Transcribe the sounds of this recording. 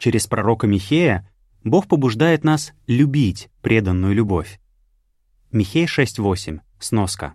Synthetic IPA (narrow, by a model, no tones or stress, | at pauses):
t͡ɕeɾʲɪspɾɐɾo̞kəmʲɪxʲejə | bo̞xpəbʊʐd̪ajɪt̪naslʲʉbʲitʲpɾʲe̞d̪ənːʊjʊlʲʊbo̞̰fʲ | mʲɪxʲejʂɛsʲtʲvo̞sʲɪmʲ | sno̞skə̰